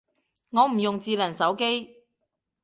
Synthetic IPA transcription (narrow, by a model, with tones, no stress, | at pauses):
ŋɔː˨˧m̩˨˩jʊ˨ŋt͡siː˨˧lɐ˨˩nsɐ˨˥wke˥j